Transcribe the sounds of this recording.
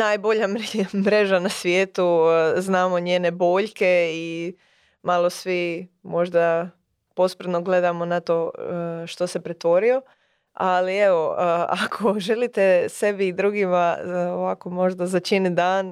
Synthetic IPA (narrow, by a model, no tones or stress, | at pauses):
naːjbo̞ʎammɾe̞ʒanasʋjeːt̪uznaːmo̞ɲeːnebo̞ːʎke̞i | malˠo̞sʋi | mo̞ʒd̪a | po̞spɾt̪noɡle̞d̪amo̞nat̪o̞ʃt̪o̞sepɾet̪ʋo̞ɾio̞ | alie̞ʋo̞a̰kʰoʒe̞lit̪ese̞biːd̪ɾuːɡimaoʋako̞mo̞ʒd̪azat͡ʃinid̪aːn